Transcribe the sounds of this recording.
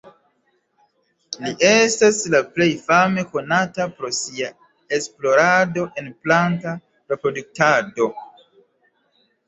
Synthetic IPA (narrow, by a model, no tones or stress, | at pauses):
liʔe̞staslaple̞jfame̞ko̞natapɾo̞sia | esplo̞ɾado̞ʔe̞nplanta | ɾe̞pɾo̞duk̚tado̞